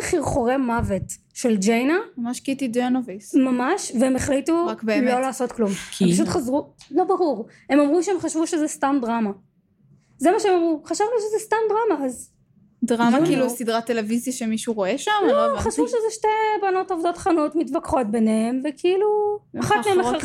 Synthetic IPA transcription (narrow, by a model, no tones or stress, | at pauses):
χiʁχo̞ʁe̞mavet | ʃe̞ld͡ʒejnamamaʃkitideanovismamaʃveemeχlituʁakbemlo̞laːso̞t̪klumkʰmpaaʃut̪χazʁulo̞baʁuʁ | e̞mamʁuʃeemχaʃvuʃezɛstamdʁama | zemaʃeemamʁuχaʃavnuʃezɛstamdʁamaaz | dʁamakilusidʁatːeleviziʃemiʃuʁo̞eʃamoχaʃvuʃezeʃtebano̞tovd̪o̞t̪χanotmitvakχo̞t̚be̞nehemvekʰeiluaχatmeemaeʁ